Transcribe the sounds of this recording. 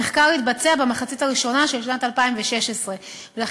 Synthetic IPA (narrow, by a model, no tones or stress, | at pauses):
eχkaʁhit̚bat͡se̞abemaχat͡sitaʁiʃo̞naʃelʃnatalpaimveʃe̞ʃesʁe̞ | vela